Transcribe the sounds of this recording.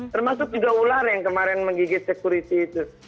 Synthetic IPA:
t̪ərmasʊk̚d͡ʒuɡaularjaŋkəmaɾɛnməŋɡiɡɪt̪̚səkuɾit̪iːt̪u

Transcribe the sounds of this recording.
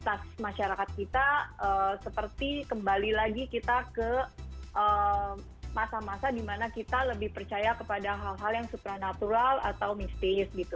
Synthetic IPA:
t̪asmaʃaɾakat̪̚kit̪aəsəpərt̪ikəmbalilaɡikit̪akəʔə | masamasadimanakit̪aləbɪhpərt͡ʃajakəpadaɦalɦaljaŋsupɾanat̪uɾala̰t̪awmist̪isɡit̪u

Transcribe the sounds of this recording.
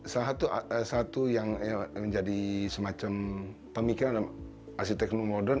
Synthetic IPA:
səlaɦat̪usat̪ujaŋməɲd͡ʒadisəmat͡ʃam | pəmikiɾandam | ʔas̬it̪ɛknomodɛr

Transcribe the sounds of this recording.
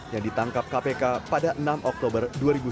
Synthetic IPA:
jaŋdit̪aŋkap̚kapekapadaʔənamʔɔk̚t̪obərduaɾibu

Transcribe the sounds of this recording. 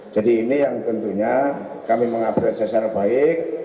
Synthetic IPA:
d͡ʒ̥adiːnijaŋt̪ənt̪uɲa | kamiməŋabɾat̪̚sɛsarbaɪk̚

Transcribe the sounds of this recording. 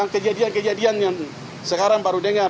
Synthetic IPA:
aŋkəd͡ʒadiankəd͡ʒadianjaŋ | səkaɾaŋbaɾudəŋa

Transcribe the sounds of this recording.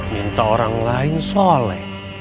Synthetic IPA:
mint̪aoɾaŋlaɪnsɔlɛ̰

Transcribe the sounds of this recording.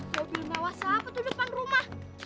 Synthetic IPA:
d͡ʒopinawasapət̪udupanrumah

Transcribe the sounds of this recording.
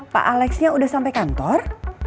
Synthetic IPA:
pa̰ʔalɛksɲaudahsampajkant̪ɔr

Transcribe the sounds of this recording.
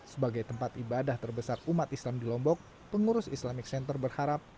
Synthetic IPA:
səbaɡajt̪əmpat̪ibadaht̪ərbəsarumat̪islamdilɔmbɔk̚ | pəŋuɾʊsislamɪk̚sɛnt̪ərbərhaɾap̚

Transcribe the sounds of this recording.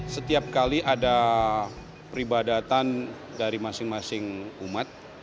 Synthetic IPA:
sət̪iap̚kaliʔada | pɾibadat̪an | daɾimasɪŋmasɪŋumat̪̚

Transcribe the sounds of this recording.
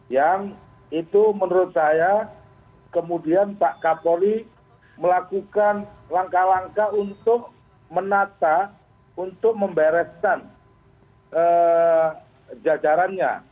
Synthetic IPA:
jaŋ | it̪umənɾʊt̪̚saja | kəmudianpaʔkapoli | məlakukanlaŋkalaŋkaunt̪ʊk̚ | mənat̪a | unt̪ʊk̚məmbɛɾɛskan | ʔə | d͡ʒad͡ʒaɾanɲa̰

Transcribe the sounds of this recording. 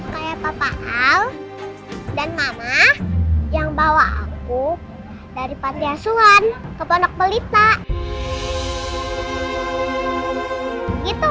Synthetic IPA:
kajapapaʔal | danmamahjaŋbawaa̰ku | daɾipant̪iasuankəpɔnɔk̚bəlit̪aʔ | ɡit̪u

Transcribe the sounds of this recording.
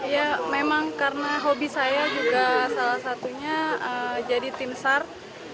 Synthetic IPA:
jamemaŋkarnaɦobisajad͡ʒuɡasalahsat̪uɲaəd͡ʒadit̪imsar

